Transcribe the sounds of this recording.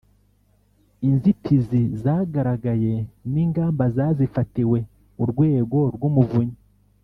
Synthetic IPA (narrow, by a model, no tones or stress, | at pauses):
inzitʰizizaːɡaɾaɡaje̞niːŋɡaːmbazaːzifatiwe̞ | uɾɡwe̞ːɡo̞ɾɡumuvuɲi